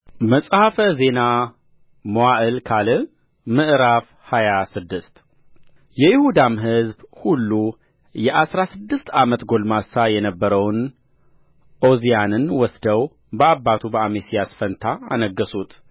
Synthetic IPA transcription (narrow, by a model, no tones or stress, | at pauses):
məsʼhafəze̞na | mowaʔɨlkʰalɨ | mɨʔɾaf | hajasɨd̪ːɨst̪ | jɛjɪhud̪amɦɨzbhulːu | jɛʔasɾasɨd̪ːɨst̪amət̪ɡo̞lmasajɛnəbːəɾəwn | ʔo̞zijanɨnwɔsd̪əw | bəabːat̪ʰubəamesijasfənt̪ʰaa̰nəɡːəsut̪